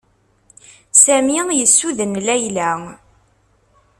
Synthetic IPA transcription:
sæmijəsːuðənlæjlæ

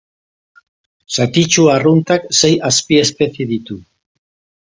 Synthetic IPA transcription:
sat̪it͡ʃuarunt̪aksejaspie̞spe̞θiðit̪u

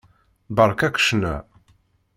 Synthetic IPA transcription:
bəɾˤkækʷə̥ʃnæ̰

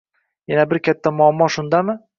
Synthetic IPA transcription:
janabɪɾkʲat̪ʰːamʊamːɒʃʊnd̪amɪ

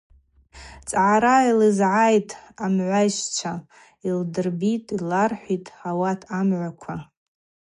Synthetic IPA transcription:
t͡sʼʕaɾailɨzʕajtʼamʕʷajʃt͡ʃʷʰa | ildɨrbitʼilarħʷitʼawatʰamʕʷakʷʰa

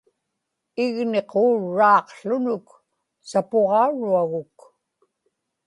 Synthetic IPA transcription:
ɪɣne̞qoːɻːɑːqɬʊnʊk | sapoʁɑuɻuaɣʊk

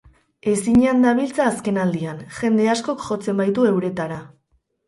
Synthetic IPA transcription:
e̞siɲand̪aβ̞ilt͡saːske̞nald̪ianʝe̞nd̪e̞asko̞kʝo̞t͡se̞mbajt̪ue̞wɾe̞t̪aɾa

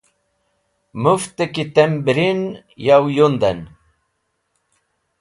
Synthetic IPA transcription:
muft̪əkit̪embɾin | jawjund̪ən

